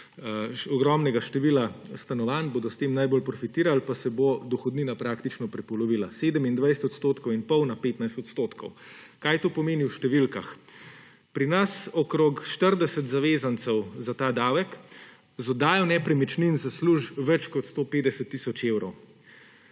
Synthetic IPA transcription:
ɔɡɾɔmnɛɡaʃt̪ɛʋilast̪anɔʋanboːd̪ɔst̪eːmnajbolpɾɔfit̪iːɾalpasɛbod̪ɔxɔd̪niːnapɾaːkt̪it͡ʃnɔpɾɛpɔlɔʋilaseːd̪əmind̪ʋajsɛt̪ɔt̪st̪oːt̪kɔwinpɔwnapeːt̪najst̪ɔt̪st̪oːt̪kʰɔ̰w | kajt̪oːpɔmeːniwʃt̪ɛʋilkax | pɾinasɔkɾokʃt̪əɾd̪ɛsɛt̪zaʋeːzant̪sɛwzat̪aːd̪awɛk | zɔd̪aːjɔnɛpɾɛmɛt͡ʃninzasluʒʋɛt͡ʃkɔt̪st̪oːpeːd̪ɛsɛt̪ːiːsɔt͡ʃewɾɔw

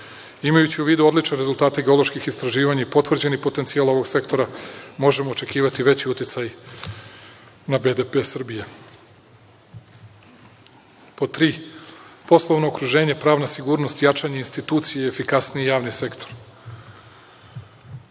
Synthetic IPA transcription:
imajut͡ɕiuʋiːd̪uo̞d̪lit͡ʃneɾezulˠt̪aːt̪eɡe̞o̞lˠo̞ʃkixist̪ɾaʒiːʋaɲaipo̞t̪ʋr̩d͡ʑe̞nipo̞t̪ent̪sijalˠo̞ʋo̞ɡse̞kt̪o̞ɾamo̞ʒe̞mo̞ːt͡ʃe̞kiːʋat̪iʋe̞t͡ɕiut̪jit̪saj | nabe̞d̪epesr̩bije | pot̪ɾiːpo̞slˠoʋno̞ːkɾuʒe̞ːɲepɾaːʋnasiɡuːɾno̞st̪jat͡ʃaɲeinst̪it̪uːt̪sijeefikasnijijaːʋnise̞kt̪ʰo̞ɾ

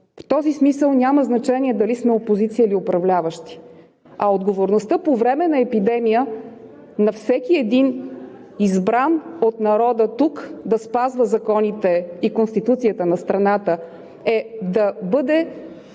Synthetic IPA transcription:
ft̪ɔzismisəlˠnʲaməznɐt͡ʃɛnʲiɛd̪ɐlismɛopozit̪siəliopɾɐvlʲavəʃt̪i̥ | ɐod̪ɡovoɾnost̪əpovɾɛmɛnɐɛpid̪ɛmijə | nɐfsɛkiɛd̪in | izbɾanot̪nɐɾɔd̪ət̪ukd̪ɐspazvəzɐkɔnit̪ɛikonst̪it̪ut̪sijət̪ənɐst̪ɾɐnat̪ə | ɛd̪ɐbɤd̪ɛ

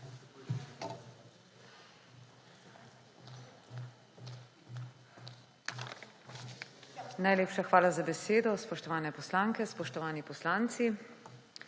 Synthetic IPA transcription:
najleːpʃaxʋaːlazabɛseːd̪ɔspɔʃt̪ɔʋaːnɛpɔslaːŋkɛspɔʃt̪ɔʋaːnipɔslaːnt̪si

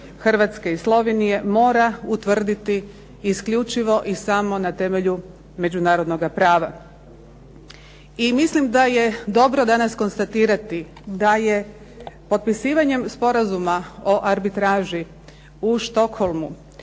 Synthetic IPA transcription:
xr̩ʋat̪ske̞islˠo̞ʋenije̞mo̞ːɾaut̪ʋr̩d̪it̪iː | skʎut͡ʃiʋo̞ʔisamo̞nat̪e̞me̞ʎu | me̞d͡ʒunaːɾo̞d̪no̞ɡapɾaːʋa | imislimd̪aje̞d̪o̞bɾo̞d̪anasko̞nst̪at̪iːɾat̪i | d̪aje | po̞t̪̚pisiːʋaɲe̞mspo̞ɾazumao̞ʔaɾbit̪ɾaːʒi | uʃt̪o̞kho̞lˠmu

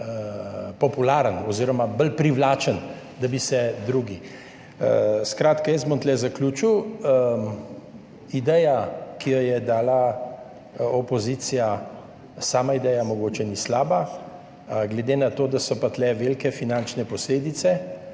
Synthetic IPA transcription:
pɔpulaːɾənɔziɾɔmabəlpɾiwlaːt͡ʃən | d̪abisɛd̪ɾuːɡi | skɾaːt̪kajəs̬bɔnt̪lɛzaklʲuːt͡ʃiw | id̪ɛjakijɔjɛd̪aːla | opozit̪sija | saːmaid̪ɛjamɔɡoːt͡ʃɛnislaːba | ɡlɛd̪eːnat̪oːd̪asɔpat̪lɛʋelkɛfinant͡ʃnɛpɔsleːd̪it̪sɛ

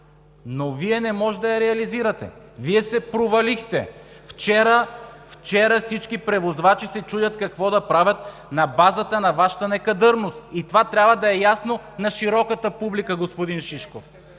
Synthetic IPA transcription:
noviɛnɛmɔʒɛd̪ɐjɐɾɛɐliziɾɐt̪ɛ̰viɛsɛpɾovɐlixt̪ɛ | ft͡ʃɛɾəft͡ʃɛɾəfsit͡ʃkipɾɛvozvat͡ʃisɛt͡ʃudʲɐt̪kɐkvɔd̪ɐpɾavʲɐt̪nɐbazət̪ənɐvaʃə̥t̪ənɛkɐd̪ɤɾnost̪it̪ovat̪ɾʲabvɐd̪ɐɛjasnonɐʃiɾɔkət̪əpublikəɡospod̪inʃiʃkof

